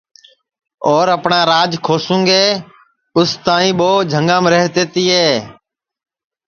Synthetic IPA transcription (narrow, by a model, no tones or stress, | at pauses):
ɔːɾəpɳãːɾaːd͡ʒkʰoːsũːŋɡeː | ʊst̪aːĩːɓoːd͡ʒʱəŋɡãːmɾeɦt̪eːt̪iːɦeː